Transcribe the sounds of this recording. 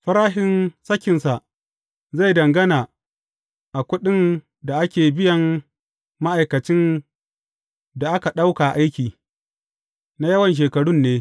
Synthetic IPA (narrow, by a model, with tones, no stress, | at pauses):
ɸɐ˦ɾaː˦ɦɪ˦nsɐ˦kʲɪ˨nsa˨ʔ | za˦˨jdɐ˨ŋɡɐ˦naː˨ | ʔa˨kʷʊ˦ɗɪ˦n | da˨ʔa˦kʲeː˨bɪ˦jɐ˨m | ma˦ʔa˨jkɐ˨t͡ʃɪ˦n | da˨ʔa˦ka˨ɗa˦wka˨ʔa˦jkʲiː˨ | na˦jɐ˦wɐ˨nʃ̬eː˨kɐ˨ɽʊ˦nːeː˦